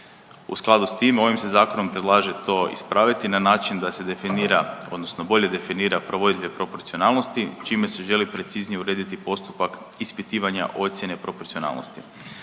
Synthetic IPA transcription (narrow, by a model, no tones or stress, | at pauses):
ṵsklˠad̪ust̪iːmo̞ʋimse̞zaːko̞no̞mpɾed̪lˠaːʒe̞t̪o̞ːḭspɾaːʋit̪inanaːt͡ʃind̪ase̞d̪efiniɾao̞̰d̪no̞sno̞bo̞ʎe̞d̪e̞finiːɾapɾo̞ʋod̪ilʲiʋepɾo̞po̞ɾt̪sio̞naːlˠnost̪it͡ʃiːme̞seʒe̞lipɾe̞t̪siznijeuɾe̞ːd̪it̪ipo̞st̪u̥pak | ispit̪iːʋaɲa̰ʔo̞t̪sʲjene̞pɾo̞po̞ɾtsio̞na̰ːlˠnost̪ḭ